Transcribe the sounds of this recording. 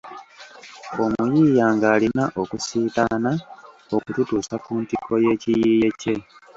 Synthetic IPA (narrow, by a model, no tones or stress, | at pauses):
o̞mujiːjaːŋɡaːlinaʔo̞kusiːtana | o̞kututuːsakuːntiko̞je̞ːcijiːje̞ce̞